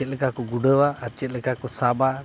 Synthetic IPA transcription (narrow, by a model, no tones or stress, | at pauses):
ɛt̪̚lɛkakɔɡuɖəwaaɾt͡ʃɛt̪̚lɛkakɔsaba